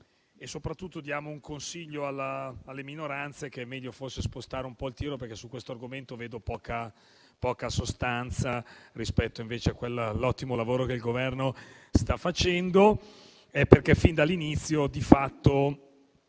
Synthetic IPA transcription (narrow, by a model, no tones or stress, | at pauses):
esopɾat̪ːut̪ːod̪jaːmouŋkonsiʎːoalaalːeminoɾant̪sek̟emːɛʎːofosːespost̪aːɾeumpɔilt̪iːɾoperkɛsukːwest̪oarɡoment̪oveːd̪opɔːka | pɔːkasost̪ant̪sarispɛt̪ːoĩɱveːt͡ʃeakːwelːlɔt̪ːimolavoːɾokeilɡovɛrnost̪afːat͡ʃɛnd̪o | eperkɛfind̪alːinit̪sːjod̪ifat̪ːo